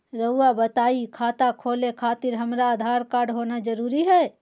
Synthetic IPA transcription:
ɾəuwabət̪aikʰat̪akʰolekʰat̪iɾɦəmɾaəd̪ʱaɾkaɾɖɦonad͡ʒəɾuɾiɦɛ

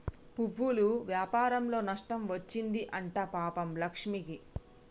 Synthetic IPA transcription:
puʋːuluʋjaːpaːɾɐmlo̞ːnɐʂʈɐmʋɐt͡ʃːind̪iʔɐɳʈaːpaːpɐmlɐkʂmiki

